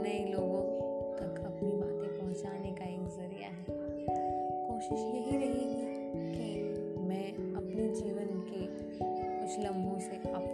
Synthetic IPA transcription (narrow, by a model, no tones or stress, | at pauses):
nɐiloːɡõt̪ɐkɐpnibaːt̪ẽpɐɦʊ̃t͡ʃaːnekaeːkzɐɾija̰ɦɛː | koːʃɪʃjɐɦiɾɐɦiɦɛ | kimɛ̃ːɐpnid͡ʒiːʋənke | kʊt͡ʃʰlɐ̃mbʱuseʔaːp